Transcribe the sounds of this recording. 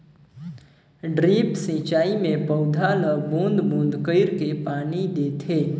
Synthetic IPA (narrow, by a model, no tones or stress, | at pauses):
ɖɾipsĩt͡ʃaimẽpəwd̪ʱaləbũnd̪bũnd̪kəɪɾkepanid̪et̪ʰe